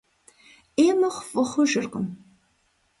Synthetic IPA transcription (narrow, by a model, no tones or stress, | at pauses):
eːmɐχʷfʼɨχʷʊʒɨrqʼə̰m